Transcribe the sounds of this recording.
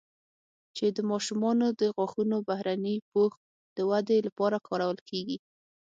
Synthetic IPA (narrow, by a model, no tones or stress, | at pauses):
t͡ʃed̪əmɑʃumɑnod̪əɣwɑxunobahɾanəpox | d̪̥əwad̪elapɑɾakʰɑɾawəlkʰeɡi